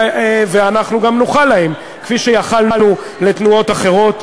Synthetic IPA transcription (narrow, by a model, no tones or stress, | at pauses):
veanaχnuɡamnuχalːaem | kfiʃejaχalnlnu | le̞t̪nuo̞t̪aχe̞ʁo̞t